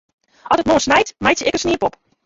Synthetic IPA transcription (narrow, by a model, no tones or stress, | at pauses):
ɔtət̚moːəsnajtmajtjəɛkəsniəpɔp